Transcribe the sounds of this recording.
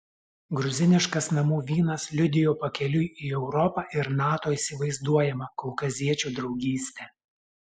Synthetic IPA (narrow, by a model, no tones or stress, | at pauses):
ɡɾʊzʲɪnʲɪʃkɐsnɐmuːʋʲiːnɐslʲʊd̪ʲɪjoːpɐkʲɛlʲʊjiːɛʊɾɔpɑːʔɪɾnɑːt̪oːiˑsʲɪʋɐɪzd̪uɔjɛmɐkɔʊkɐzʲiɛt͡ʃʲuːd̪ɾɒʊɡʲiːsʲt̪ʲɛ